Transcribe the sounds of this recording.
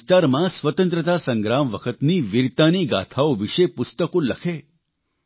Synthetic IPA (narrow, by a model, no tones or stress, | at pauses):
st̪aɾmãsʋət̪ə̃nt̪ɾət̪asəŋɡɾamʋəkʰət̪niːʋiɾt̪aniɡa̰t̪ʰaoʋiʂepʊst̪əkoləkʰe